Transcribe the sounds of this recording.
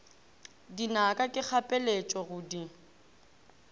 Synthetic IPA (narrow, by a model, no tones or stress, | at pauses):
dinakʼakʼɪk͡xʰapʼɛlet͡ʃʼɔɣʊdi